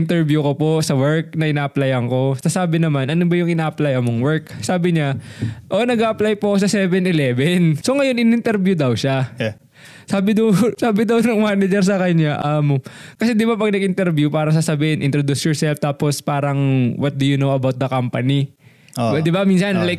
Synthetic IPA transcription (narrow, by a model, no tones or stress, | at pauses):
ɪnt̪ɛɹbjukoposɐwɛɹk̚nɐʔɪnaːʔɐplajɐŋko̞sɐsaːbɪnɐmanʔɐnobɐjʊŋɪnaːʔɐplajɐmoŋwɛɹksaːbɪɲaʔo̞nɐɡaʔɐplajposɐsɛvɛnɪlɛvɛnso̞ŋɐjo̞nɪnɪnt̪ɛɾbjud̪ɐwʃa | saːbɪd̪ɐwsaːbɪd̪ɐwnʊŋmaːnɐd͡ʒɛɾs̬ɐkɐɲːaʔɐmkɐsɛd̪ɪbapɐɡ̚nɐɡɪnt̪ɛɾbjupaːɾɐŋs̬ɐsɐbiːhɪnʔɪnt̪ɾod̪usjɔɹsɛlft̪aːpospaːɾɐŋwɐt̪̚d̪ujunoɐbawt̪̚d̪ɐkampɐni | d̪ɪbamiːnsɐnlajk̚